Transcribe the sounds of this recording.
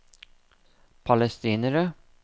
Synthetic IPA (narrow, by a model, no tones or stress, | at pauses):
pʰɑlɛst̪iːnəɾə